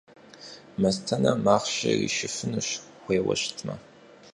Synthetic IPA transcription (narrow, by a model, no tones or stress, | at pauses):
mɐztʰɐnɐmaːχʃɐrḭʃɪfɨnɨɕ | χʷeːwɐ̰ɕtʰmɐ